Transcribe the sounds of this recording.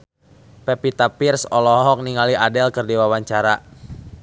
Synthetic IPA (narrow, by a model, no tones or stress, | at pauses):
pɛpit̪apirsɔlɔɦɔk̚niŋaliadɛlkərdiwawaɲt͡ʃaɾa